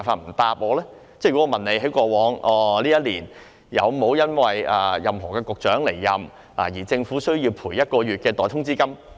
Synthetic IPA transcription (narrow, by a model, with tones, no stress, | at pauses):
jfaː˧t̚m̩˨˩t̪aː˧p̚ʔɔː˨˧lɛː˥ | t͡sɛ˥˩ɥy˨˩kɔ˥ɔː˧mɐ˨ne˨˧jɦe˨˥jkʷɔː˧wɔː˨˥ŋʔɔː˨˧liː˥jɐ˥t̚liː˨˩n | jɐ̰˨˧wmo˨˥wjɐ˥nwɐ˨ja̰ː˨jɐ˨mɦɔ̰ː˨˩kɛː˧kʊ˨k̚t͡ʃœː˨˥ŋle˨˩jːɐ˨m | la̰ː˨˩jiː˨˩t͡sɪ˧ŋfuː˨˥sɵ˥ɥjiː˧wpʰuː˨˩jɐ˥t̚kɔː˧ɥyː˨t̚kɛː˧t̪ɔː˨˩t̪ʰʊ˥ŋt͡siː˥kɐ˥m